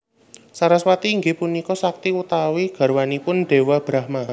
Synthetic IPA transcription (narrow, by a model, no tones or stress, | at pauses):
saɾaswat̪iːŋɡepunikɔsak̚t̪iwut̪awiɡ̥a̤ɾwanipʊnɖ̥e̤wab̥ɾahma